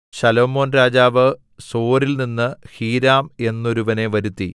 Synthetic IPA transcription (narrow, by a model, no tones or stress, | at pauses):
sɐlo̞ːmo̞ːnɾaːd͡ʑaːʋɨ | so̞ːɾilninːɨhiːɾaːme̞nːo̞ɾuʋɐne̞ʋɐɾut̪ːi